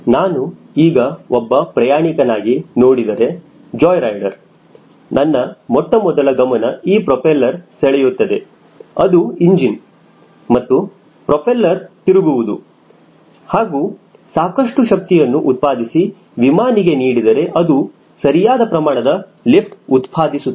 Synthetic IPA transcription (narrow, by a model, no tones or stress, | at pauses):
naːnu | iːɡɐɔbːɐpɾɐjaːɳikɐnaːɡinoːɽid̪ɐɾe̞ | d͡ʒɔːjɾɐjɖɐɾ | nɐnːɐmɔʈːɐmɔd̪ɐɭɐɡɐmɐnɐiːpɾopʰelːɐɾsɛɭɛjut̪ːɐd̪e̞ | ɐd̪uiɲd͡ʒin | mɐt̪ːu | pɾopʰelːɐɾt̪iɾuɡuʋud̪u | haːɡuː | saːkɐʂʈuʃɐk̚t̪ijɐnːuʔut̪̚paːd̪isi | ʋimaːniɡe̞niːɽid̪ɐɾe̞ʔɐd̪u | sɐɾijaːd̪ɐpɾɐmaːɳɐd̪ɐ | lipʈut̪pʰaːd̪isu